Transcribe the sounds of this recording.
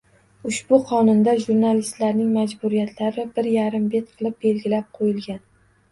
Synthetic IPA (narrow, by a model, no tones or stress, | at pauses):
ʊʃbʊqʰɒnʊnd̪aʒuɾnalist̪laɾnɪŋmad͡ʒbʊɾijat̪ʰlaɾɪbɪɾjaɾɪmbe̞t̪̚qʰɨlˠɪp̚be̞lɡʲɪlap̚qʰojɪlɡʲan